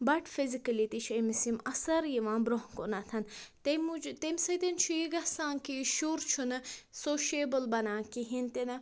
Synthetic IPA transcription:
bɐʈfizikɐlit̪it͡ʃʰɐmisimɐsɐɾjiʋãːbɾoɦkonɐt̪ʰɐnt̪emud͡ʒt̪emʲsɐt̪ɐnt͡ʃʰujiɡɐsãːŋkiʃuɾt͡ʃʰunɐsoːʃeːbɐlbɐnãːkiɦint̪enɐ

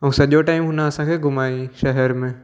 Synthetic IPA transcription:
ɔsɐʄoʈaːimɦʊnaɐsãkeɡʊmaːiʃɐɦɛɾmẽ

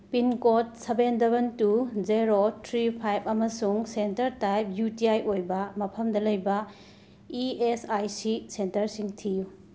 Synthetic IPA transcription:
pinkot̚sebendɐβɐntuzeɾotʰɾipʰajb̚ɐmɐsuŋsentɐɾtajp̚jutiajʔojbɐmɐpʰɐmdɐlɐjbɐ | iesajsisentɐɾsiŋtʰiju

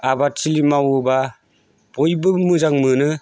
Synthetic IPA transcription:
abat͡ʃilimawɯba | bɔjbɯmɯzaŋmɯnɯ

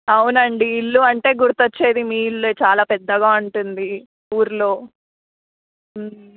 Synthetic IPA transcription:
ɐwunɐɳɖiːlːuɐɳʈe̞ːɡuɾut̪ot͡ʃːe̞ːd̪imiːlːet͡ʃaːlaːpɛd̪ːɐɡaːuɳʈund̪i | uːɾlo̞ː

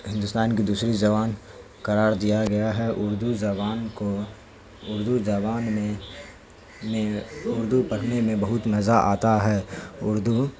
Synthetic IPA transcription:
ɦɪ̃nd̪ʊst̪aːnkid̪uːsɾid͡ʒɐʋaːn | kɐɾaːɾd̪ijaɡɐjaɦɛʔʊɾd̪ud͡ʒɐʋaːnko | ʊɾd̪ud͡ʒɐʋaːnme | mẽʊɾd̪upɐɽʰnemẽbɐɦʊt̪mɐzaʔa̰ːt̪aɦɛːʊɾd̪u

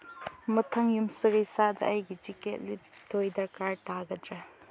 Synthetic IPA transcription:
mɐtʰɐŋjumsɐɡɐjsadɐ̰ʔɐjɡid͡ʒiket̚lutʰojdɐɾkaɾtaɡɐd̪ɾɐ

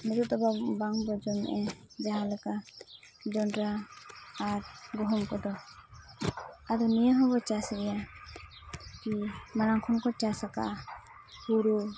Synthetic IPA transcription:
mɛtɔt̪ɔbabaŋbɔd͡ʒɔnɛʔɛ | d͡ʒaɦalɛka | d͡ʒɔnɾaː | ɾɡɔɦɔmkɔd̪ɔ | aɾɔnijaɦɔbɔt͡ʃasɡɛja | kimaɾaŋkʰɔnkɔt͡ʃasaka̰ʔ | huɾu

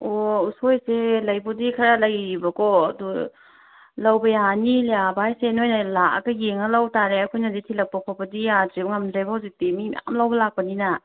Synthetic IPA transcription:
ousojselɐjbudikʰɐɾalɐjɾibɐkɔɐdu | lɐwbɐjaniljabaajsenojnɐlaa̰ɡɐjeŋɐlɐwtaɾeakʰojnɐditʰilɐk̚pɐkʰabɐdijazeŋɐmzajbɐhawzik̚timimḭja̰mlɐwbɐlak̚pɐninɐ

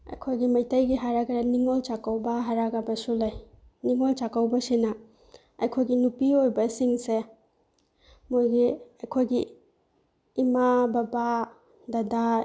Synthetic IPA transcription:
ɐ̰jkʰojɡimɐjtajɡiɦaɾaɡaɾaniŋolt͡ʃakawbaɦaɾaɡabɐsulaj | niŋolt͡ʃakawbɐsinɐ | ɐjkʰojɡinupiojbɐsiŋse | mojɡiɐjkʰojɡi | mababa | dada

